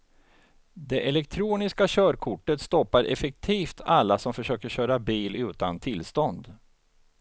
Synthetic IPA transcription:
d̪ɛʔɛlɛkt̪ʰɾuːnɪskaɕœːɾkʰʊʈːət̪st̪ɔpːaɾʔɛ̰fɛk̚t̪ʰiːft̪ʰalːasɔmfœʂøːkəɕœːɾabiːlʉ̟ːt̪ant̪ʰɪlst̪ɔnd̪

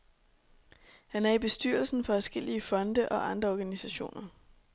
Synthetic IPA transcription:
hænæɐib̥e̝sd̥yɐl̩sn̩fɒ̽æsɡ̥el̰iəfɒ̽nd̥əʔɒ̽ʔɑ̈nd̥ʁɐɒːɡ̥ænisæɕo̝̰ːnɐ

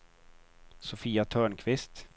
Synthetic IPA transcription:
sʊfiːat̪ʰœːɳkʰvɪst̪

